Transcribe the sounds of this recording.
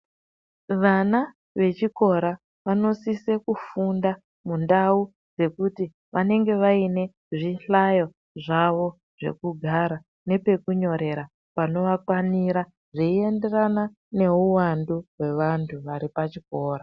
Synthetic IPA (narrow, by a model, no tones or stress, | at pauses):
ʋana | ʋe̞t͡ʃiko̞ɾa | ʋano̞sise̞kufunda | mundau | d͡ze̞kuti | ʋane̞ŋɡe̞ʋaine̞ | ʐiɬajo̞ | ʐaʋo̞ | ʐ̥e̞̰kuɡʱaɾa | ne̞pe̞kuɲo̞ɾe̞ɾa | pano̞ʋakwaniɾa | ʐeie̞nde̞rana | ne̞uwanduɦwe̞ʋantʰuʋaɾipat͡ʃiko̞ːɾa